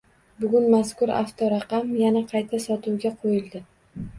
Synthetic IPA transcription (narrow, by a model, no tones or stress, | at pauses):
bʊɡʲʊnmaskʊɾa̰ft̪ʰɒɾɑqɑmjanaqʰɑjt̪ʰasɒt̪ʰuwɡʲaqʰojɪlˠd̪ɪ